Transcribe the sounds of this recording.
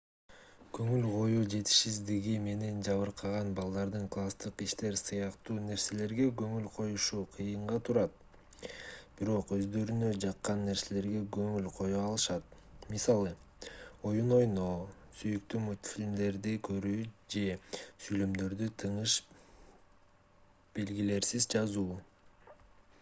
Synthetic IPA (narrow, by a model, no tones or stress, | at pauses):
kø̞ŋylqʰo̞juːd͡ʒe̞t̪i̥ʃizd̪iɡime̞ne̞nd͡ʒɑβɯɾqʰɑʁɑnbɑlˠd̪ɑɾd̪ɯɴklˠast̪ɯqiʃt̪e̞ɾsɯjɑqt̪uːne̞ɾse̞le̞ɾɡe̞ɡɵ̞ŋylqʰo̞juʃuːqʰɯjɯɴʁɑt̪ʰuɾɑt̪̚ | b̥iɾo̞qø̞zd̪ø̞ɾynø̞d͡ʒɑqːɑnːe̞ɾse̞le̞ɾɡe̞ɡø̞ŋylqʰo̞joːlˠɯʃɑt̪̚ | misɑlˠɯ | o̞juno̞jno̞ | syjykt̪ymut̪fʲilʲmd̪e̞ɾd̪ikʰøɾyːd͡ʒe̞syjlømd̪ø̞ɾd̪yt̪ʰɯɴɯʃ | b̥e̞lɡile̞ɾsizd͡ʒɑzuː